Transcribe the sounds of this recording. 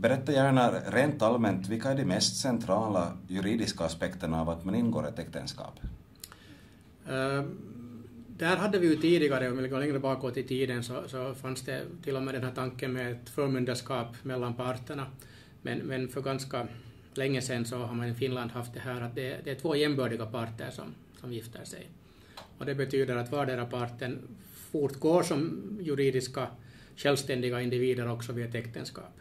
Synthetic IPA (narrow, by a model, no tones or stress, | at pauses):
bɛɾɛt̪ːajæːɳaɾeːnt̪almɛnt̪vɪlkaæɖɛmɛst̪sɛnt̪ʰɾɑːlajɵɾiːd̪ɪskaːspɛkt̪əɳavat̪manɪnːɡo̰ːɾɛt̪ɛkt̪ənskɑ̰ːp | d̪ɛhæːɾɦad̪ːəvɪjɵt̪ʰiːd̪ɪɡɑɾəɔmvɪlɪɡəːɭɛŋɾəbɑːkoːt̪ːɪt̪ʰiːd̪ənsɔsɔfansd̪ɛ̰t̪ɪlːɔmeːd̪ɛnhæːʈ̪ʰɑŋkːənmɛɛt̪fœːɾmɵnd̪əʂkɑːpmɛlːanpɑɾt̪ːəɳɑ | mɛ̰nmɛnfœɾɡɑnskɑ | lɛŋːəsɛnsɔɦaɾmɑnɪfɪnland̪hɑft̪̚d̪ɛhæːɾɑt̪̚d̪ɛd̪ɛæt̪ʰvoːjɛmbœːɖɪɡapʰɑɾt̪ːə̰ɾʂɔ̰m | sɔmjɪft̪ʰə̰ʂɛ̰j | ɔd̪ɛbɛt̪ʰyːd̪əɾɑt̪ʋɑːɖɛɾapʰɑɾt̪ːən | fuɾt̪ɡoːʂɔmjʉɾiːd̪ɪska | ɕɛlst̪ɛnd̪ɪɡaɪnd̪ɪviːd̪əɾɔksɔʋiːɑt̪ɛkt̪ənskɑ̰ːp